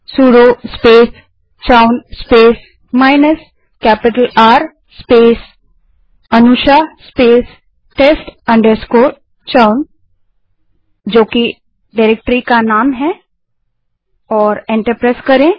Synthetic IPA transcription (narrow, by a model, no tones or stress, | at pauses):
suːɽospeːs | t͡ʃaʊnspeːs | maːɪnəs | kɛːpɪʈəlaːɾ | speːs | ɐnuʃaspeːs | ʈeːsʈɐ̃ɳɖəɾskoːʈ | t͡ʃaʊn | d͡ʒoːki | ɖaɪɾeːk̚ʈɾikanaːmɦɛ | ɔːɾẽɳʈəɾpɾaːskɐɾẽ